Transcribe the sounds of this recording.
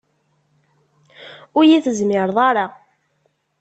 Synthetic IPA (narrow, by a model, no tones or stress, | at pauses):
ʊɾjiθəzmɪɾðˤɑɾa